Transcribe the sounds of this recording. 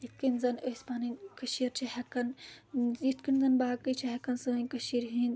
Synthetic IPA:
it̪̚kinzɐnəspaːninkɐʃiɾt͡ʃʰihɛkɐn | it̪kinzɐnbaːkɨt͡ʃʰiɦɐkɐnsoːinkɐʃiɾɦin

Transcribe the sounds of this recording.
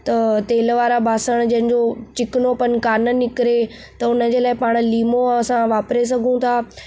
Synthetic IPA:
t̪ɐt̪eːlʋaːɾabaːsəɽ̃d͡ʑɐ̃ɦɪ̃ɲd͡ʑot͡ɕɪkɪnopɐnkaːnənɪkɪɾe | t̪ɐʊnəd͡ʑeːlaːɪpaːɽ̃̆liːmoɐsãʋaːpɾes̬ɐɡʱũt̪ʰaː

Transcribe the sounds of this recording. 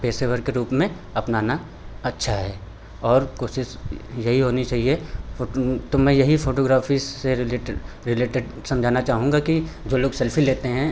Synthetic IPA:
peːseʋəɾkeɾuːpmẽ | ɐpnaːna | ɐtːʃʰaɦɛː | ɔːɾkoːʃɪʃjɐɦiɦoːnit͡ʃaːɦiefoːt̪omɛ̃ːjɐɦifʰoːʈoːɡɾaːfieɾɪleʈ | ɾɪleːʈeɖ | sɐ̃md͡ʒʱaːnat͡ʃaːɦũŋɡaki | d͡ʒoːloːɡsɛlfʰileːt̪eɦɛ̃

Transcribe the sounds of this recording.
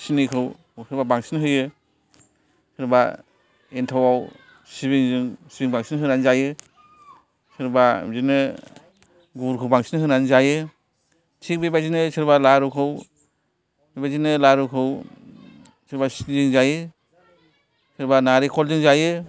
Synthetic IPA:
sinikʰɯw | sʰɯɾbabaŋsinɯɦɯjɯ | sɯɾba | entʰawaw | sibiŋzɯŋsibiŋbaŋsinɯɦɯnanzajɯ | sɯɾbazinɯ | ɡuɾkʰɯwbaŋsinɯɦɯnanzajɯ | tʰik̚bibazinɯsʰɯɾbalaɾukʰɯw | bibazinɯlaɾukʰɯw | sʰɯɾbasi̥ziŋzajɯ | sʰɯɾbanaɾikʰɔlzɯŋzajɯ

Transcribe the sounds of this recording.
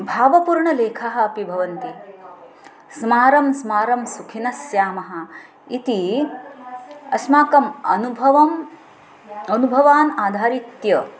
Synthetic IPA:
bʱaːʋɐpuɾɳɐleːkʰaɦɐ̆ɐpibʱɐʋɐnt̪i | smaːɾɐmsmaːɾɐmsukʰinɐsjaːmɐɦɐ̆ | it̪i | ɐsmaːkɐmɐnubʱʋɐm | ɐnubʱɐʋaːnaːd̪ʱaːɾit̪jɐ

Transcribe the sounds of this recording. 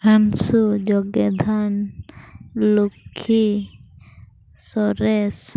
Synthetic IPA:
ansud͡ʒɔɡed̪ʱan | lukʰːi | sɔɾes

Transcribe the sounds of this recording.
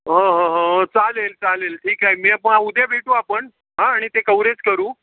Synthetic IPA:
ɦə̃ɦə̃ɦə̃t͡salelt͡salelʈʰiːkaɦemiapəɳaud̪ebʱeʈuapəɳ | ɦãːɽ̃it̪ekəwɾet͡skəɾuː

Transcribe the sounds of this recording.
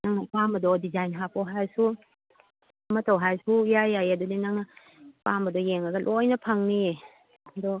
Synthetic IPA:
naŋnɐpambɐdɔdizajnɦapowɦajsu | mɐtawɦajsujajajɐdudinaŋnɐ | pambɐdɔjeŋaɡɐlʔɔjnɐpʰaŋni | dɔ

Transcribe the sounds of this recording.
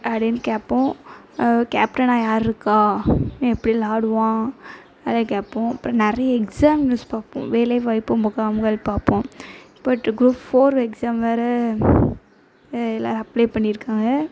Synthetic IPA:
ʔɐɽenkapːõ | ka̰ːp̚ʈɐnaːjaːɾɪɾɯkːãːɛpːɐɽilaːɽɯʋãː | ɐðekaːpːõɐpːɾõnɛɾɐjɐɛksaːmnuspaːpõ̰ʋeːlɐɪʋɐɪpːɯmʊkaːmɡɐlpaːpːõ | b̥ɐʈːɡɾuːpfoːɾɛksaːmʋaːɾɐ | ɛlːa̰ːɾɐpːleːpɐɳːɪɾɯkːaːŋɡɐ

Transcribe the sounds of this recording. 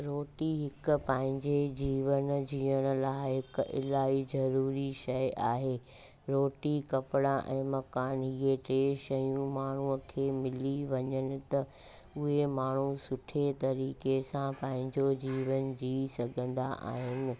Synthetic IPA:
ɾoːʈiɦɪkʊpɐ̃ːɦɪ̃ɲd͡ʑed͡ʑiːʋənd͡ʑiːəɽ̃ʊ̆laːɪɦɪkɪ̰laːizɐɾuːɾiʃɐjaːɦeː | ɾoːʈikɐpɪɽaʔɛ̰̃ːmɐkaːnɦiːeʈeːʃɐjũmaːɳ̤uəkʰeːmɪliʋɐɲəɽ̃ɪ̆t̪ɐ | ʊɦemaːɳ̤usʊʈʰet̪ɐɾiːkesãpɐ̃ɦɪ̃ɲd͡ʑod͡ʑiːʋənd͡ʑiːsɐɡʱə̃nd̪a̰ʔa̰ːɦɪnɪ̆

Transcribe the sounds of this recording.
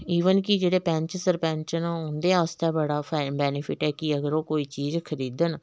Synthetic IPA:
iːʋənkɪd͡ʒeːɽeːpɛ̃ːɲt͡ʃsəɾpɛ̃ːɲt͡ʃnʊnd̪eːaːst̪ɛːbəɽaːbɛːnɪpʰɪʈɛːkɪəɡəɾoːkoːiːt͡ʃiːzkʰəɾiːd̪ən

